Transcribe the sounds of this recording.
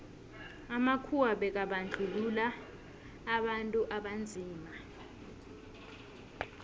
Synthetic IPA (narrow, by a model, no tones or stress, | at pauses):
amakʰuwaɓɛk̬aɓand͡ɮʱululaː | ɓantʼuʔaɓand͡zʱiːma